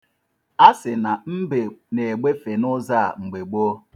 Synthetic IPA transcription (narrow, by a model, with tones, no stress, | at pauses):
a˦sɪ˨na˨m̩˦be˨ne˨ɡ͡be˦fe˨nʊ˦za˦a̰˨ŋ͡m̩˨ɡ͡be˨ɡ͡bo˦